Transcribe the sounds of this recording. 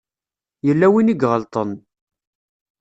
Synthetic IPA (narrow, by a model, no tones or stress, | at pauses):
jəlːæwiniɡʁəlt̪ˤən